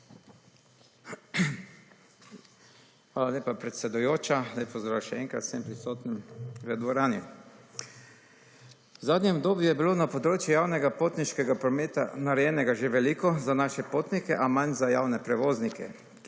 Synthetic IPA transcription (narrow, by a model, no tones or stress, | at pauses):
xʋaːlaleːpapɾɛt̪sɛd̪ujoːt͡ʃalajpɔzd̪ɾaːwʃɛɛŋkɾa̰t̪sempɾisoːt̪nimɾɛd̪ʋɔɾaːnjɛ | wzaːd̪nʲjɛmɔbd̪oːbjujɛbiloːnapɔd̪ɾoːt͡ʃjujawnɛɡapoːt̪niʃkɛɡapɾɔmeːt̪a̰naɾɛjɛːnɛɡaʒeʋɛlikɔzanaːʃɛpoːt̪nikɛʔamanzajaːwnɛpɾɛʋoːznikɛ̰